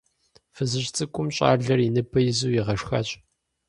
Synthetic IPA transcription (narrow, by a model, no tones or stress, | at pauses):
fɨzɨɕt͡sʼɨkʷʼʊmɕʼa̰ːɮɐrinɨpʰɐjzuːjiʁɐʂxɐt͡ɕʼ